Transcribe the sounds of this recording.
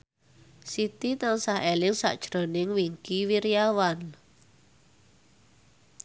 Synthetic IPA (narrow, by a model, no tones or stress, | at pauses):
sit̪it̪aŋsaɦelɪŋsa̰ʔd̥ʒ̥ɾo̤nɪŋwiŋkiwiɾiawan